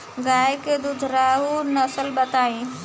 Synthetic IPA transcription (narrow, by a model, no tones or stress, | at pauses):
ɡaːjeked̪ʊd͡ʒ̪ʱɾaɦunəsəlbət̪aːĩː